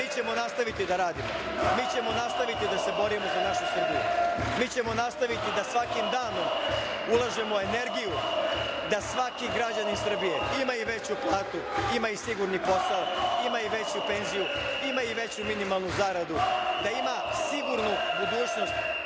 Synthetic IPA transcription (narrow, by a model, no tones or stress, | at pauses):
iːt͡ɕe̞mo̞nast̪aʋit̪id̪aɾaːd̪imo | miːt͡ɕe̞monast̪aʋit̪id̪ase̞bo̞ɾimozanaʃusr̩bijṵmiːt͡ɕe̞mo̞nast̪aʋit̪id̪asʋakimd̪aːno̞m | ulˠaʒe̞moe̞ne̞ɾɡijud̪asʋakiɡɾad͡ʑanisr̩bije̞imajuʋe̞t͡ɕuplˠaːt̪uimaisiɡuɾnipo̞saimaiʋe̞t͡ɕupe̞nzijuimajiʋe̞t͡ɕuminimalˠnuzaɾad̪ud̪aimasiɡuɾnubud̪uːt͡ɕno̞st̪